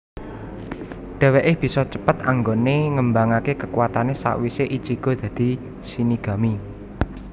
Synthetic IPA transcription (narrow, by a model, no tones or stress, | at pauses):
ɖ̥ɛ̤weʔɪb̥i̤sɔt͡ʃəpət̪aŋɡoneŋəmbaŋakekəkuwat̪anesa̰ʔwiseʔit͡ʃiɡ̥o̤d̪̥ä̤d̪̥i̤ | siniɡ̥a̤mi